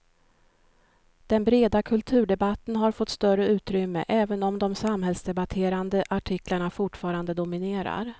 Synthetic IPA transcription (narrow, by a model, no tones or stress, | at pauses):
d̪̥ɛnbɾeːd̪akʰɵlt̪ʰʉ̟ːɖɛbat̪ːənɦaɾfɔt̪ːst̪œɾəʉ̟ːt̪ɾʏmːə̰ʔɛːvənɔmd̪ɔmsamɦɛlsd̪ɛbat̪ʰeːɾand̪əʔaʈʰɪkʰlaɳafʊʈfɑːɾand̪əd̪ʊmɪneːɾa̰ɾ